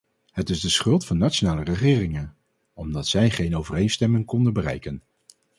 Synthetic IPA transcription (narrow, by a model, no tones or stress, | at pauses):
hətɪzdəsχɵlˠtfɑnːat͡ʃonaːlərəχɪːrɪŋən | ɔmdɑtsɛjχejnowvərejnstɛmɪŋkɔndəbərɛ̰jkən